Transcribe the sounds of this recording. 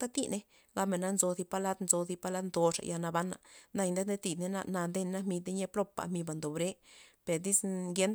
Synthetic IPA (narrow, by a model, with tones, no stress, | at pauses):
t̪a˦t̪ḭ˧ne˦ | ɡa˧me˨na˦nzo˧zi˧pa˧la˦d̪nzo˧zi˧pa˧la˦d̪nd̪o˧ʂa̰˨ja˧na˧ba˦nːa̰˨na˧jnd̪e˦d̪e˦t̪i˧d̪ne˦˧na˧nd̪e˦nna˦mi˧d̪e˦ɲe˦plo˦pːa̰˨mi˧ba˨nd̪o˨bɾe˦pe˨ɾd̪i˦sɡe˦n